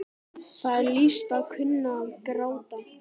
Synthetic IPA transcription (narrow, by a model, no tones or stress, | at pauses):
θaðɛɾlist̪aðkʰʏnːaːðkɾaːwt̪a